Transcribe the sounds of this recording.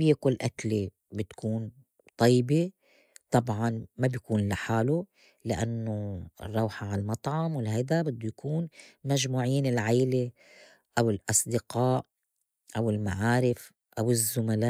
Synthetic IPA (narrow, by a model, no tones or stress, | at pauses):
bjakʊlːʔakle | bɪt̪kuːn | t̪ˤɑjːbe | t̪ˤɑbʕɑnmabjkuːnlaħaːlu | lɪʔa̰nːo̰rˤːɑwħaʕalmɑt̪ˤʕɑmwɪlɦajd̪abɪd̪ːʊjakʰuːnmaʒmuːʕiːnɪlʕajle | ʔawɪlʔɑsˤd̪ɪqaːʔ | ʔawɪlmaʕaːɾɪf | ʔawɪzːʊmalaːʔ